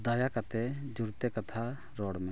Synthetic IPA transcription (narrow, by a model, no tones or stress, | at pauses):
d̪ajakat̪ɛd͡ʒuɾt̪ɛkat̪ʰa | ɾɔɽmɛ